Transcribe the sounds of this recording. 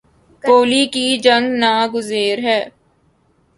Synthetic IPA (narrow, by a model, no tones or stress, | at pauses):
poːlikid͡ʒɐ̃ŋɡnaːɡʊzeːɾɦɛː